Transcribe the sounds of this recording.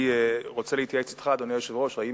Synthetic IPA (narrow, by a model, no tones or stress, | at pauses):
ʁot͡selihit̪jaet͡se̥t̪χad̪onejoʃevʁoʃʁai